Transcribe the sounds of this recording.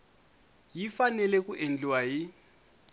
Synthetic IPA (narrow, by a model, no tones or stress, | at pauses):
jifanɛlɛk̬ʼuʔend͡ɮiwaɦi